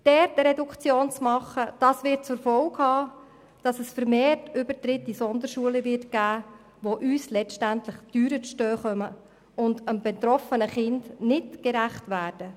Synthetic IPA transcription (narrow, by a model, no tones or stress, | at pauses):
d̥ɛɾtəɾɛdukt͡sjoːnt͡smɑχəd̥ɑsʋɪɾt̚t͡sʊɾfɔlkhɑː | d̥ɑsəsfəɾmeːtʏbətɾɪtːisɔnd̪əɾʃuələʋɪrtɡ̥æː | ʋoʔyːslɛtæntlɪχtyːɾət͡sʃtœːχœmə | ʊndəmbɛt̪ɾɔfənəχɪndnɪtɡ̥ɛɾæχtʋæːd̥ə